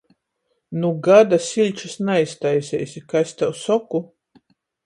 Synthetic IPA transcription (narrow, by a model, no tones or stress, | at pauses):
nuɡad̪asʲilʲt͡ʃusnaist̪ajsʲɛ̰jsʲikasʲt̪awsɔku